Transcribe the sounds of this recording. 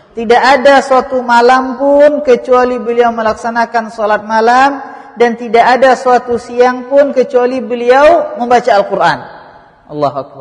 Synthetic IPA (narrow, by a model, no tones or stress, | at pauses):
t̪idaʔadasuat̪umalampʊnkət͡ʃualibəliawməlaksanakansɔlat̪̚malam | dant̪idaʔːdasuat̪usiaŋpʊnkət͡ʃualibəliawməmbat͡ʃaːlkurʔa̰n | ʔɑlːɑɦuak̚ba